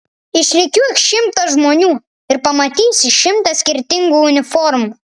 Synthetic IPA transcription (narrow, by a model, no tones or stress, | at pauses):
ɪʃlʲekʲuɛkʃɪmt̪ɐʒmonʲuː | ɪrpɐmɐt̪ʲisʲɪʃɪmt̪ɐsʲkʲɪrʲt̪ʲɪŋɡuːnʲɪform